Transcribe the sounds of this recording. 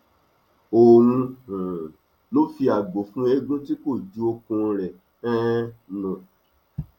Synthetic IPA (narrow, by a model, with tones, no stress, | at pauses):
o˨wũ˧hũ˨ | lo˦fi˧a˨ɡ͡bo˨˦fũ˦e˧ɡũ˦ti˦ko˦˨d͡ʒu˨˦o˧kũ˧ɾɛ˨ | ɛ̃˦nũ˨